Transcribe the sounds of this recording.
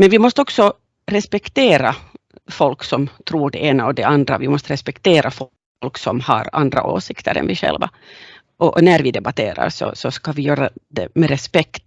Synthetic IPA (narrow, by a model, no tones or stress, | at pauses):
mɛnvɪmɔst̪əɔksɔ | ɾɛspɛkt̪eːɾa | fɔlksɔmt̪ʰɾuːɖɛʔeːnaɔd̪ɛand̪ɾavɪmɔst̪əɾɛspɛkt̪ʰeːɾʔafɔ | lksɔmha̰ɾand̪ɾa̰ʔo̰ːsɪkt̪ʰəɾɛ̰nvɪʂɛ̰lva | ʔɔʔnæɾvɪd̪ɛbat̪ʰḛːɾa̰ɾsɔ̰sɔskavɪjøːɾad̪ɛmɛɾɛspɛkt̪